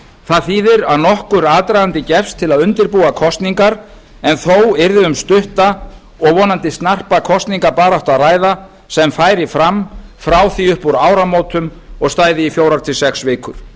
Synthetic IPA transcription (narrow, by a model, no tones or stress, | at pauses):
θaðθiːðɪɾaðnɔhkʏɾaːt̪ɾajðant̪ɪcɛfst̪ʰːɪlaðʏnt̪ɪɾpuːakʰɔst̪niŋkaɾ | ɛnθowɛɾðɪʏmst̪ʏht̪a | ɔɣvɔːnant̪ɪst̪nar̥pakʰɔst̪niŋkaɾpaːɾawht̪araːjða | sɛmfaːjɾɪfɾamfɾaːwθiʏhpuɾaːwɾamoːwt̪ʏm | ɔɣst̪aːjðɪifjowɾaɾ̥t̪ʰɪlsɛksvɪːkʏɾ̥